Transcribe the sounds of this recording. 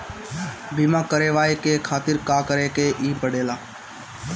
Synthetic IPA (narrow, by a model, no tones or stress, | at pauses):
biːmãːkəɾeːʋaːekeːkʰaːt̪ɪɾkaːkəɾeːkeːʔiːpəɽeːlaː